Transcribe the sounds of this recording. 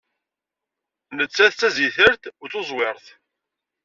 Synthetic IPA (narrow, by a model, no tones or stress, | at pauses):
nət͡sːæθt͡sːæziθəɾθʊɾθozˤwɪɾˤθ